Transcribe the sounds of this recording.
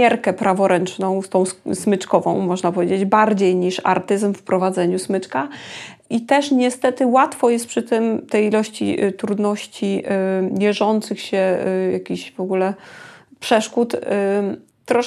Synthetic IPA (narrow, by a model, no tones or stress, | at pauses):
ɛɾkɛpɾʔavɔɾʔɛnt͡ʂnɔ̃w̃st̪ɔ̃w̃ssmɘt͡ʂkɔvɔ̰̃w̃mɔʐnapɔvʲjed͡ʑed͡ʑbaɾd͡ʑejɲiʂa̰ɾt̪ɘzmfpɾɔvad̪zɛɲusmɘt͡ʂka | it̪ɛʂɲɛst̪ɛt̪ɘwat̪fɔjɛst̪̚pʂɘt̪ɘmt̪ɛjilɔɕt͡ɕḭt̪ɾud̪nɔɕt͡ɕivʲjɛʐɔnt̪sɘxɕɛjakʲiɕvɔɡulɛpʂɛʂkut̪ | t̪ːɾɔ